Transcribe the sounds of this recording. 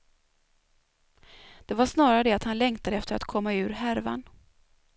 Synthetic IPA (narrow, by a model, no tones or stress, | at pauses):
d̪̥ɛvaʂnɑːɾaɾəd̪ɛat̪hanlɛŋt̪ʰad̪əɛft̪əɾa̰t̪kʰɔmːaʉ̟ːɾɦæɾva̰n